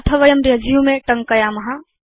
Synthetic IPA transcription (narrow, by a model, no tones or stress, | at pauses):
t̪ʰɐʋɐjɐmɾɦɐd͡ʒʱijumeʈɐŋkəjamɐɦa